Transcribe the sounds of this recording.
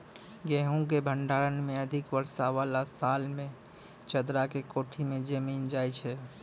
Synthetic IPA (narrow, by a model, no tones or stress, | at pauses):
ɡeɦũk̬ebʱəɳɖaːɾənmẽəd̪ʱɪkʋəɾsaʋalasaːlmẽ | t͡ʃəd̪ɾakekoːʈʰimẽd͡ʒəmiːnd͡ʒajt͡ʃʰɛ